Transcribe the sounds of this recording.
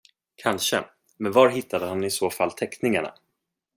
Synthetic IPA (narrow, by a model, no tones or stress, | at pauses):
kʰanʂə | mɛnvaɾɦɪt̪ʰːad̪əɦanɪsoːfalːt̪ʰɛknɪŋaɳa̰